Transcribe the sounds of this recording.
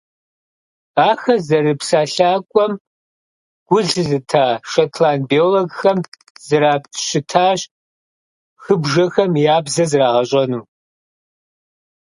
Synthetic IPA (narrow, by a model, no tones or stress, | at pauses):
aːxɐzɐrɨpsaːɬaːkʷʼɔm | ɡ̥ʷʊɮɨɮɨtʰaːʃɐtʰlaːnbioːloɡxɐm | zɨɾaːptʰɕɪtʰaːɕ | xɨbʒɐxɐmjaːbzɐzɨraːʁɐɕʼɐnuː